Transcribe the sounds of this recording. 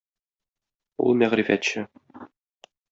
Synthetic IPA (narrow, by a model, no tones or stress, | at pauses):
ṵlˠmæʁɾifæt̪ɕɘ